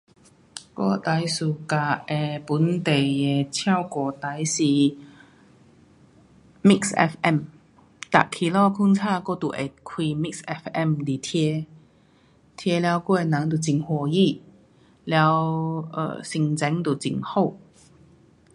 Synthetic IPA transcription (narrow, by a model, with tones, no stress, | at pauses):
kɔ̰˥˩t̪a˨˧˥jsu˨˧˩ka˧ɛ˧˩pu˨˥nt̪e˨˩jɛ˧tʰja˥˧wkɔː˧˩t̪a˧˥jsi˧˩ | mi˥ksɛ̰˧˩fʔɛ˥˩m | t̪a̰˨kʰi˨˩lɔː˥˩kʰu˥nt͡sʰaː˥˩kɔ˥˩t̪u˨˩ʔḛ˨˧˩kʰwiː˧mi˥k̚sɛ˧fɛ˥˩mliː˨˩t̪ʰjɛ˧ | t̪ʰjɛ˧lja˨˧wkɔ˥˩ɛ˨˧na˨˧˦ŋt̪u˨˧˩t͡si˨˩ŋhɔ˧˩ji˥˨ | lja˨˧˦wə̰˧si˧˩ŋt͡sɛ˨˥ŋt̪u˨˩t͡sḭ˧˩ŋho˥˩˨